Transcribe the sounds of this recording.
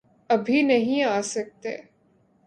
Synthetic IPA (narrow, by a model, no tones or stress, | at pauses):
ɐbʱinɐɦĩaːsɐk̚t̪ḛː